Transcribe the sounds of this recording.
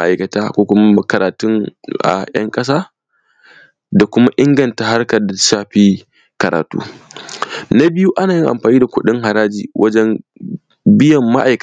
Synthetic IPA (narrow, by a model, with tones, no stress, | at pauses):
ʔa˨kɐ˨taː˦kʷoː˦kʷʊ˦ma˦m˦kɐ˨ɾaː˨tʊ˦ŋʔa̰˨jɐ̰˦ŋkʼɐ˦s̬aː˦ | da˨kʷʊ˦ma˦ʔɪ˦ŋɡɐ˨nta˨ha˦rkɐ˨rda˨˦ʃaː˦ɸiː˦ | kɐ˨ɾaː˨tṵː˦ | na˦bɪ˦ju˦ʔa˦naː˨jɪ˦ŋʔa̰˨mɸaː˨niː˦da˨kʷʊ˦ɗɪ˦ŋɦa˨ɾaː˦d͡ʒiː˨wʔɐ˦d͡ʒɛ˦m | bɪ˦jɐ˨mːa˦ʔa̰˨jk